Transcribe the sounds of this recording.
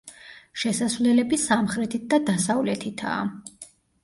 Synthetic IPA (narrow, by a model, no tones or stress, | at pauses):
ʃɛsasvlɛlɛbisamχɾɛt̪ʰit̪̚d̪ad̪asavlɛt̪ʰit̪ʰa̰ː